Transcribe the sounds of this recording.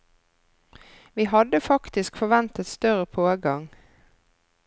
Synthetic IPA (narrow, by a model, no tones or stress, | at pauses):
ʋiːhɑd̪əfɑkt̪ɪskfɔʋɛnt̪ət̪st̪œʁəpʰoːɡɑŋ